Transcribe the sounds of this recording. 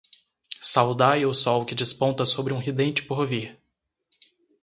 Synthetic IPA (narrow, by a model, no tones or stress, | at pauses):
sawd̪ajosɔwkɪd͡ʒɪspõnt̪ɐsobɾɪũɦid̪ẽnt͡ʃɪ̥poɾviɾ